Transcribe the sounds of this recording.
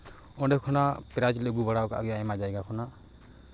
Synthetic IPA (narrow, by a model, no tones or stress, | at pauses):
ɔ̃ɖɛkʰɔnapɛɾad͡ʒlɛɡubaɽawkaa̰ɡɔjaɛmad͡ʒajɡakʰɔna